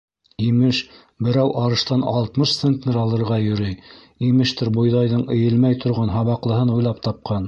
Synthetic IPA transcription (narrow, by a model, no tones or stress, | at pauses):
imɘʃ | bɘ̆ɾæwʔɑɾɤ̆ʃt̪ɑnɑ̰lˠt̪mɤʃt̪sent̪nɘɾɑlˠɤ̆ɾʁɑjɵ̆ɾɘj | imɘ̆ʃt̪ɘɾbŏjðɑjðɤɴɘ̆jɘ̆lmæjt̪ʰŏɾʁɑnɦɑβɑqlˠɤ̆ɦɤnujlˠɑpt̪ɑp̚qʰɑn